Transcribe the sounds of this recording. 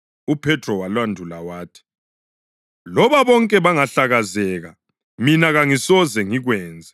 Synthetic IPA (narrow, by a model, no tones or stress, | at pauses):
upʰɛtʰʼrɔwalwandʱulawaːtʰi̥ | lɔβaβɔŋkʼɛβaŋaɬaɣazɛɣa | minaɣaŋisɔzɛŋiɣwɛːnd͡zʱɛ